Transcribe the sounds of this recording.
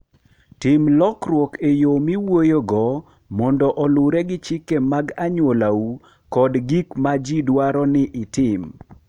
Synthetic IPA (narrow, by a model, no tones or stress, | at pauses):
tɪmlɔkɾwokejomiwojoɡɔ | mɔndɔʔɔlʊɾɛɡɪt͡ʃɪkemaɡaɲwolau | kɔdɡikmad͡ʒidwaɾɔnɪʔɪtɪm